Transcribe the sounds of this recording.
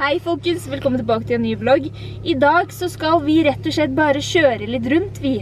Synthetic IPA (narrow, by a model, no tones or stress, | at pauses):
hæɪfɔlkəsʋɛlkʰɔmənɪbɑːkət̪ʰɪlɛnːyːblɔɡ | ɪd̪ɑːɡsɔskɑlʋɪɾɛt̪ːɔʂɭɛt̪̚bɑːɾəʃøːɾəlɪt̪ɾʉnt̪ʰʋi